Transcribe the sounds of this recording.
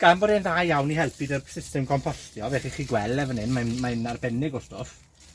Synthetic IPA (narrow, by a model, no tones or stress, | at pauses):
ɡ̥anbɔdɛnðajawniɦɛlˠpʰɨdərsɪstɛmkʰɔmpʰɔstjɔvɛχiχiːɡwɛlˠɛvənɪnmanmanarbɛnɪɡɔstɔf